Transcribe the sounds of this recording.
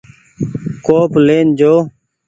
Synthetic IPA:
koːpleːnd͡ʒoː

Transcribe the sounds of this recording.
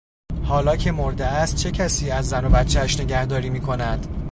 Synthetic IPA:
hɒːlɒːcʰe̞mo̞ɾd̪eæst̪̚t͡ʃʰe̞cʰæsiːæzːæno̞bæt̪t͡ʃʰːeʃne̞ɟæhd̪ɒːɾiːmiːkʰo̞næd̪̥

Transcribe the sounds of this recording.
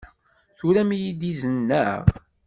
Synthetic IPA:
θuɾæmjid̪izənːəʁ

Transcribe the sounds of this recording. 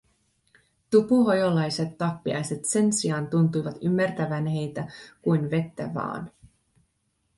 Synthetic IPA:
t̪upuɦojolɑjse̞t̪ːɑpːiɑ̰jse̞t̪se̞nsiɑnt̪unt̪ujʋɑt̪ymːært̪æʋænhe̞jt̪ækujnʋe̞t̪ːæ̰ʋɑ̰ːn

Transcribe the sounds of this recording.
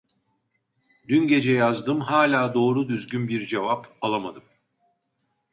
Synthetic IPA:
d̪ynɟe̞d͡ʒɛjazd̪ɯmɦaːlʲaːd̪o̞ːɾud̪yzɟynbiɾd͡ʒe̞vapalˠamad̪ɯm

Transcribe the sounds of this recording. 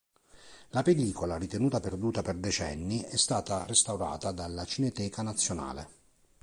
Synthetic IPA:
lapelːiːkolarit̪enuːt̪aperd̪uːt̪aperd̪et͡ʃɛnːiɛst̪aːt̪arest̪awɾa̰ːt̪ad̪alːat͡ʃinet̪ɛːkanat̪sːjona̰ːlḛ

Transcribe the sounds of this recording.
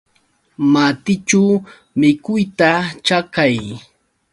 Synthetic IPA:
mat̪ɪt͡ʃaw | mɪkʊjt̪at͡ʃakaj

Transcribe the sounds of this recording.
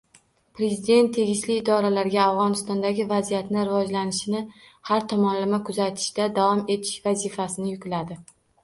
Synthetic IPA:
pɾe̞zid̪e̞nt̪ʰːe̞ɡʲɪʃlɪːd̪ɒɾalaɾɡʲaːvʁɒnɪst̪ɒnd̪aɡʲɪvazijat̪nɪɾɪvɒd͡ʒlanɪʃɪnɪ | haɾt̪ʰɒmɒnlɪmakʰʊzat̪ʰɪ̥ʃd̪ad̪avɒme̞t̪ʰɪ̥ʃvazifasɪnɪjʊkʲlad̪ɪ

